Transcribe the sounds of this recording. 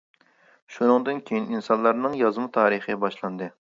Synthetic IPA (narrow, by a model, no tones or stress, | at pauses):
ʃunɨŋd̪ɨnkʲʰejininsɑnlˠɑɾnɨŋjɑzmɨt̪ʰɑːɾɨχɨbɑʃlˠɑnd̪ɨ